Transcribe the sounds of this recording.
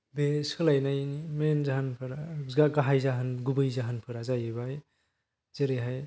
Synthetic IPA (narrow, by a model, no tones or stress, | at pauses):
beskʰɯlajnajimenzaɦanpʰɯɾaɡaɡaɦajzaɦɯnɡubɯjzaɦanpʰɯɾazajɯbaj | zeɾɯɦaj